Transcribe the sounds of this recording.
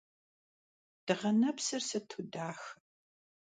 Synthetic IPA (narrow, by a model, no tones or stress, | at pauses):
d̥ɨʁɐnɐpsɐrsɐtʰudaːx